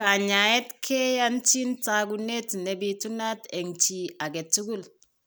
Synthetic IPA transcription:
ka˨ɲa˨ɛ˦tkʰe˦ja˦nt͡ʃi˦nta˨ɡu˦ne˦tne˨bi˨tu˦na˦te˨ŋt͡ʃi˨a˨ɡe˨tu˦ɡu˦l

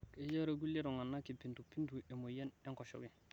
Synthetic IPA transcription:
ke˨d͡ʒa˦ɾa˨ɡu˦lːe˦ɾɔ˨ŋa˨nːa˦ki˨pi˨ntu˨pi˦ntu˨e˨mo˨jɛ˦nɛ˦ŋkɔ˨ʃo̰˨wi˨

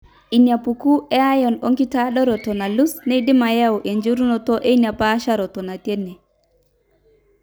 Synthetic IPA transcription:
i˨nja˨pu˨ku˦ʔɛ˦a˦jɔ˨nɔ˦ŋɡi˦ta˦ɗɔ˦ɾɔ˨tɔ˨na˨lu˦sne˦i˦dɪ˦ma˨ja˦wʔe˨ɲd͡ʒo˦ɾu˦nɔ˨tɔ˦ʔe˦i˦nja˨pa˦ʃa˦ɾɔ˨tɔ˨na˨tje˦ne˨

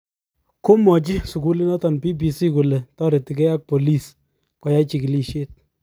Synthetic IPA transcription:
ko˦mɔ˨t͡ʃɪ˦su˨ku˦li˦nɔ˦tɔ˨npi˦bi˨si˦ku˨le˨tɔ˦ɾe˨ti˨kɛ˦a˦k̚po˨li˦s | kɔ˨ja˦t͡ʃi˨ki˨li˦ʃje˦t̚

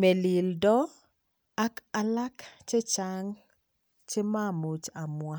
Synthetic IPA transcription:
mɛ˨li˨ldɔ˦ | a˦ka˦la˦kt͡ʃe˦t͡ʃaŋ | t͡ʃe˦ma˦˨mo˨t͡ʃa˨mwa˦˨

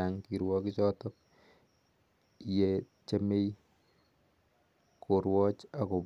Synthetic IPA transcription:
a˨ŋki˨ɾwɔ˦ki˦t͡ʃɔ˦tɔk̚ | jet͡ʃe˦me˦j | koɾwɔ˦t͡ʃa˨ko˨

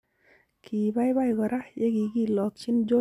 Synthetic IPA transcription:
kʰi˨ba˦jba˦˨jɡɔ˨ɾa˦je˦ɡi˧˨ki˦˨lɔ˨t̪̚t͡ʃi˦nd͡ʒo˦

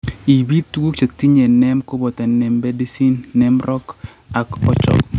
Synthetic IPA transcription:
i˨bi˦t̪wo˦t͡ʃe˨t̪i˦ɲe˨nɛ˦mko˦bɔ˨t̪ɛ˨nɛ˨mbe˦di˦si˦nːɛ˦mɾʔɔ˦k | a˨kɔ˦t͡ʃɔ̰˨k

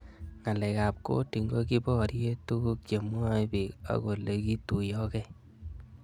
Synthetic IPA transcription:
ŋa˨lɛ˨ka˨p̚ko̰˦ti˨ŋɡo˦ki˦bɔ˦ɾje˦tu˦ku˦k̚t͡ʃe˨mwa˦i˦bi˨ka̰˦ko˨le˦ki˦tu˨jɔ˦kɛ˦

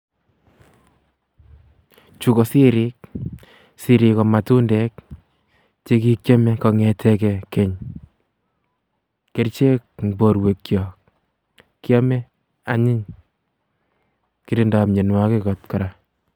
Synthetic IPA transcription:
t͡ʃu˦kɔ˨sɪ˦ɾɪ˦k̚ | si˨ɾi˧kɔ˨ma˨tu˦ndɛ˦k̚ | t͡ʃe˦ki˦kt͡ʃjɔ˦mɛ˦kɔ˧ŋɛ˨tʰɛ˧kɛke˨ɲ | ke˦ɾt͡ʃe˦k̚ŋbo˨ɾwe˨kːjɔ˨k | kjɔ˦mɛ˦ | a˦ɲɪ˦ɲ | ki˨ɾi˦nda˨pɲe˨nwa˦ke˦kɔ˨t̚kɔ˨ɾa˦

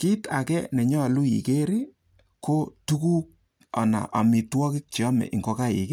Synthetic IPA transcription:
ki˦ta˨kɛ˦nɛ˨ɲɔ˦˨lu˦jḭ˨ke˦ɾi˦ | ko˦tu˦ku˦k̚ | a̰˨na̰˨ʔa̰˨mi˨twɔ˦kɪ˦k̚t͡ʃi˨ɔ˦mɛ̰˨ʔi˨ŋɡo˨ka˦ḭ˨kɪ˦

